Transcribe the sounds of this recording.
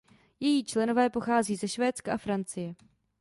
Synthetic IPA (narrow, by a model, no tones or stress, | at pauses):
jɛjiːt͡ʃlɛno̞vɛːpo̞xaːziːzɛʃvɛːt͡skaʔafɾant͡sɪjɛ